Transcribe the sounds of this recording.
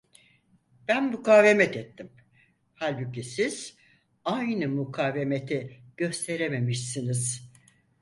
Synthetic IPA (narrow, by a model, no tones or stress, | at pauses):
b̥ænmukʰaːvemɛt̪ʰɛt̪ʰːim | halʲbucisiz̥ | ajnɯmukʰaːve̞me̞t̪ʰiɟ̥øst̪ʰe̞ɾeme̞miʃsiniz̥